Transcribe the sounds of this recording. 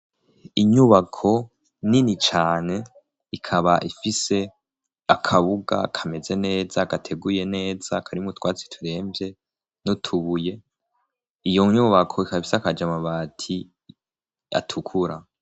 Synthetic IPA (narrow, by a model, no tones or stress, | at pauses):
iɲuβakʰo̞ | ninit͡ʃaːne̞ | ikʰaβaʔifise̞ | akʰaβuɡa̰ːkʰame̞ze̞ne̞ːzaːɡatʰe̞ɡuje̞ne̞ːz̥aːkʰaɾiumutwaːt͡si̥tʰuɾe̞ːmbje̞ | notʰuβuje̞ | ijoɲuβakʰo̞ikafi̥seakad͡ʒamaβaːtʰi | a̰tʰukʰuɾa